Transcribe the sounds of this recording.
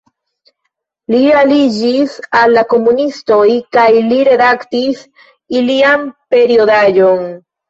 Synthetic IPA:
lialid͡ʒisalːako̞munisto̞jkajliɾe̞daktis | iliampe̞ɾio̞dad͡ʒo̞n

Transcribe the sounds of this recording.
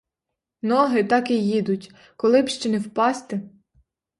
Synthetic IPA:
nɔɦɪt̪ɑkijid̪ʊtʲ | kɔlˠɪbʃt͡ʃɛnɛwpɑst̪ɪ

